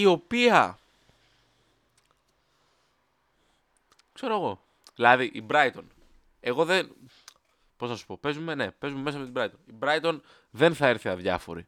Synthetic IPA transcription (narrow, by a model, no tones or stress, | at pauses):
io̞piɐ | kse̞ɾo̞eɣo̞ | ðilɐðiʔibɾɐjt̪o̞n | e̞ɣo̞ðen | po̞znɐsu̥po̞pe̞zume̞ne̞pe̞zume̞mes̬ɐmet̪ibɾɐjt̪onibɾɐjt̪o̞n | ðe̞nθɐeɾθiɐðʝɐfo̞̰ɾḭ